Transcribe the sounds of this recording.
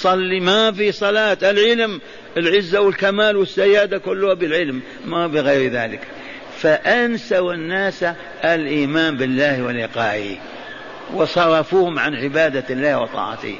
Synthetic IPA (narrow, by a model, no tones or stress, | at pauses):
sˤɑlːimafisˤɑlɑːt̪alʕɪlm | ɪlʕɪzːawɪlkamaːlwɪsːajːaːd̪akʊlːʊhabɪlʕɪlmː | abɪɣajɾða̰ːlɪk | faʔansawanːaːsa | ʔalʔiːmaːnbɪlːaːhwɪlɪqɑːʔ | wɪsˤɑɾˤɑfuːhʊmʕanʕɪbaːd̪alːaːhwɪt̪ˤɑ̰ːʕɑ̰t̪ɪ̰